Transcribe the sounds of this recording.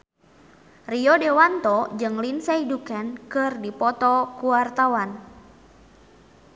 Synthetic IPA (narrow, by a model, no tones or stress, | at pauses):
riɔdewant̪ɔd͡ʒɨŋlinsaidukankɨrdipɔt̪ɔkuwart̪awan